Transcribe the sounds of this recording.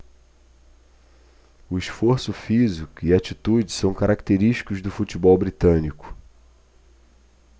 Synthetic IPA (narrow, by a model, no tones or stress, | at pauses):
ʊiʃfoɾsʊfizikʊiat͡ʃit̪ud͡ʒɪsɐ̃w̃kaɾakt̪eɾiʃt͡ʃi̥kʊzd̪ʊfut͡ʃibɔwbɾit̪ɐ̃nikʊ̥